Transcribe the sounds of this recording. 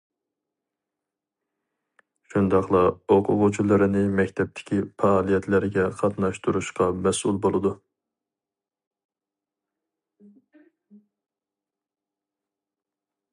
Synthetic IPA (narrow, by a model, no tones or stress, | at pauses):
ʃund̪ɑχlˠɑoqʰʊʁut͡ʃʰulˠɨɾɨnɪmɛkʲt̪ʰɛp̚t̪ʰɪ̥kʲʰipɑːlˠijɛt̪ʰlɪɾɪɡʲɛqʰɑt̪nɑʃt̪ʰuɾuʃqɑmɛsulˠbolˠɨd̪u